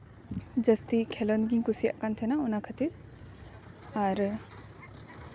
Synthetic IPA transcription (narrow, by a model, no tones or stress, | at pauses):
d͡ʒəst̪ikʰɛlɔnɡiŋkusija̰ʔkant̪ʰɛnaunakʰət̪iɾ | aɾ